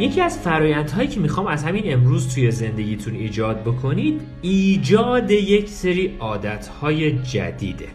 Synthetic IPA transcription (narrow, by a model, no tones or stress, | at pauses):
je̞cʰiːæz̥fæɾɒːjænd̪ɦɒːjiːcʰe̞mixɒːmæzhæmine̞mɾuːzt̪ʰuje̞ze̞nd̪e̞ɟʲiːt̪ʰuniːd͡ʒɒːd̪̚bo̞kʰo̞niːd̪̥ | iːd͡ʒɒːd̪e̞je̞cʰse̞ɾiːɒːd̪æt̪ʰhɒːje̞d͡ʒæ̰d̪ḭːd̪ḛ